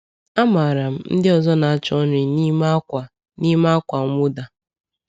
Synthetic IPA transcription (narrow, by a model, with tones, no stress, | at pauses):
a˦ma˨ɾa˨m̩˦n̩˦dɪ˦ɔ˨zɔ˦na˨a˦t͡ʃɔ˦nɪ˨ni˦ma˦kʷa˨ | ni˦ma˦kʷa˨˦mʊ˦da˨